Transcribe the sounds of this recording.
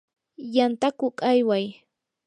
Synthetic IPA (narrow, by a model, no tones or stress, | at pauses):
jant̪akʊkajwaj